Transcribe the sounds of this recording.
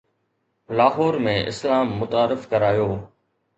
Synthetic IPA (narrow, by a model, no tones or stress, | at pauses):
laːɦoːɾmẽʔɪ̰slaːmːʊt̪aːɾɪfkɐɾaːjoː